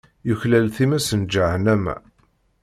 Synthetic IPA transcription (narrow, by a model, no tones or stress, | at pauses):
juçlælθimæsənd͡ʒaʕənæmæ̰